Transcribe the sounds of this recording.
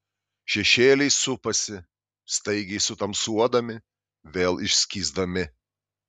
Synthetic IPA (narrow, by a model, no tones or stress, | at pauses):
ʃʲɛʃʲeːlʲɛɪsʊpɐsʲɪ | st̪ɐɪɡʲɛɪsʊt̪ɐmsuɔd̪ɐmʲɪ | ʋʲeːlˠɪʃʲsʲkʲiːzd̪ɐmʲɪ